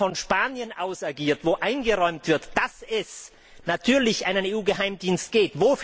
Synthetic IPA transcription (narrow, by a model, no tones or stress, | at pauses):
ɔnʃpaːnjənʔaʊsaɐɡiːɐtv̥oːʔaɪnɡəʁɔʏmtv̥ɪɐtd̥asɛs | natʰyːɐlɪçʔaɪnəneːuːɡəɦaɪmdiːnst̚ɡ̥eːtvoːf